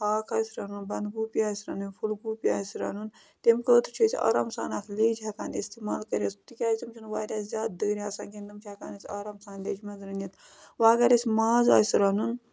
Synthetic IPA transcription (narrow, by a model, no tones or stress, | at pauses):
haːkʰɐːsɾɐnunbɐnd̪ɡuːpiaːsɾɐnunʲfʰulɡuːpia̰ːsɾɐ̰nun | t̪emkəːt̪ʰt͡ʃʰisʲa̰ːɾaːmsa̰ːnaːt̪ʰleːd͡ʒʰɐkaːnist̪imaːlkɐɾʲɐst̪ikʲaːjt̪imt͡ʃʰunʋaːd̪ʲaːzʲjaːd̪̚d̪əːɾʲiaːsaːnkind̪ɨmt͡ʃʰɐkaːnɐsʲaːɾaːmsaːnlʲeːd͡ʒmɐzɾɐnjɐt̪ | ʋaːɡɐɾɐsʲmaːza̰ːsɾɐnun